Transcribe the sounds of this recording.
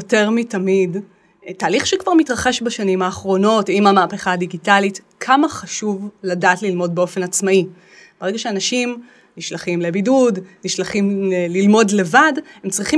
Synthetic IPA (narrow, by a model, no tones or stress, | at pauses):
ote̞ʁmitamid | taːliχʃekvaʁmitʁaχeʃbaʃanimaːχʁo̞no̞timamaːpeχaːdiɡitalit | kʰamaχaʃuvladaːtlilmo̞d̚beo̞fe̞nat͡smai | b̥eeɡaʃeanaʃim | niʃlaχimlebidudniʃlaχimlelilmo̞dle̞vadhemt͡sʁiχi